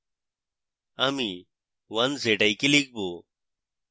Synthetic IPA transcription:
ɐmi | ʋɐnzeːʈɐikilik̚boː

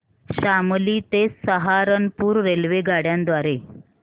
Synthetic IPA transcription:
ɕamliːt̪esəɦaɾənpuːɾːelʋeɡaɽjãnd̪ʋaɾe

